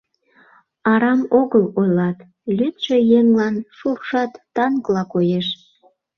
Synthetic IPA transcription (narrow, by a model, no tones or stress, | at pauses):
ɑɾɑmoɣəlojlɑt̪ | lyt̪ʃejeŋlɑnʃurʃɑt̪ːɑnklɑkojeʃ